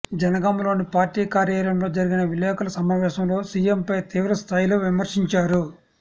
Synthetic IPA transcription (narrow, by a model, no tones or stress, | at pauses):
d͡ʒɐnɐɡaːmlo̞ːnipaːɾʈiːkaːɾjaːɾɐmlo̞ːd͡ʒɐɾiɡinɐʋilːɛːkɐlɐsɐmaːʋɛːʃɐmlo̞ːsiːempɐjt̪iːʋɐɾɐst̪ʰaːjloːʋimɐɾʂiɲt͡ʃaːɾu